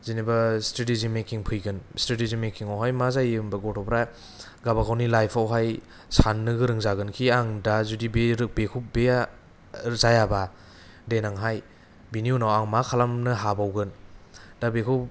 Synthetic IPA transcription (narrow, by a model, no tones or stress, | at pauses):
zinibastɾetizinmekiŋpʰɯjɡɯnstɾetizinmekiŋawɦajmazajɯmbaɡɔtʰɔpɾa | ɡabakʰawnilajpʰawɦaj | sanːɯɡɯɾɯŋzaɡɯnkʰiaŋdazudibeɾɯk̚bekʰubea | zajaba | denaŋɦaj | biniunawaŋmakʰalamnɯɦabawɡɯndabekʰup